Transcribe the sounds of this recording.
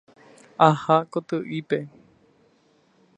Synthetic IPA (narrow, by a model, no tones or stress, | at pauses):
ahakot̪ɨʔipe